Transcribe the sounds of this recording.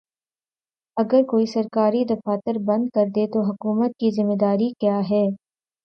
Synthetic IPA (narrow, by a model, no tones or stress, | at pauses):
ɐɡəɾkoːisɐɾkaːɾid̪ɐfaːt̪əɾbɐ̃nd̪̚kɐɾd̪et̪oɦɐkuːmət̪̚kizɪmːed̪aːɾikjaːɦɛː